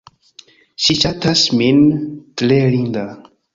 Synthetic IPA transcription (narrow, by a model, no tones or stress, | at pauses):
ʃiʃatasmintlelinda